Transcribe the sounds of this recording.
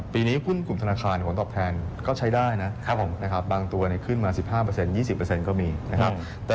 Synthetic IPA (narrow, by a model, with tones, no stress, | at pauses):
piː˧niː˦˥kʰu˥˩nklu˨˩mt̪ʰnaː˧kʰaː˧npʰo˩˦nt̪ɔː˨˩p̚t̪ʰɛː˧nkɔː˥˩t͡ɕʰa˦˥jdaː˥˩jna˦˥˩na˦˥kʰa˦˥p̚baː˧ŋt̪u˧ɐni˦˥kʰɯ˥˩nmaː˧si˨˩p̚haː˥˩p̬ɤ˧se˧njiː˥˩si˨˩pːə˧se˧nkɔː˥˩miː˧na˦˥kʰa˦˥p̚ | t̪ɛː˨